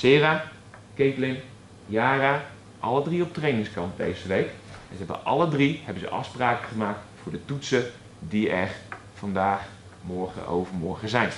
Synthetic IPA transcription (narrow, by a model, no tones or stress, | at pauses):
sɪːra | kejtlɪn | jaːra | ʔɑlədriɔp̚trejnɪŋskɑnt̚dḛjzəʋejkɛnzəɦɛbə̰ʔɑlədrihɛbənzə̰ʔɑ̰fspraːkəχəmaːk̚tfʊːɹdətutsə | diɛr | fɑndaːχ | mɔɹχə̰ʔo̰wvərmɔɹχəzɛjn